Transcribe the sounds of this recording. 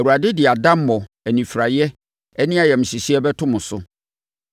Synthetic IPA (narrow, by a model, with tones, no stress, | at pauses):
ɛ˨wu˨a˨dɪ˦dɪ˨a˨dã˦m̩˦mɔ̃˨ | æ˨nĩ˨fɾa˨jɛ˦ | ɛ˦nɪ̃˦a˨jɛ˨m̩̃˨ɕi˨si˦ɛ˦bɛ˦tʰʊ̃˦mʊ̃˨sʊ̰˦